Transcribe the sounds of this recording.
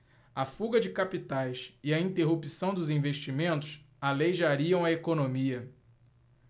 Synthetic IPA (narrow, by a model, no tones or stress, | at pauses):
ɐfuɡɐd͡ʒɪkapit̪ajsɪɐĩt̪eɦupisɐ̃w̃d̪ʊzĩveʃt͡ʃimẽnt̪ʊs | alejʒaɾiɐ̃w̃ɐekonõmiɐ